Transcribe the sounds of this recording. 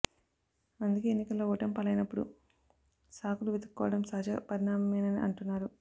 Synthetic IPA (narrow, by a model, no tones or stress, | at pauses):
ɐnd̪ukeːenːikɐlːoːɔːʈɐmpɐlɐjnɐpːuɽṵ | saːkuluʋed̪ɐkikːɔ̰ːʋɐɽɐmsɐːd͡ʒɐpɐɾiɳaːmɐmeːnɐniʔɐ̰ɳʈunːaːɾu